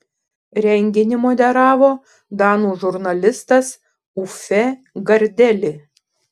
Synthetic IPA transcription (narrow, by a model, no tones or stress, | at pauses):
ɾʲɛŋʲɡʲɪnʲɪmoːd̪ʲɛɾɑːʋoː | d̪ɑːnuːʒʊɾnɐlʲɪst̪ɐs | ufʲɛ | ɡɐɾʲd̪ʲɛlʲɪ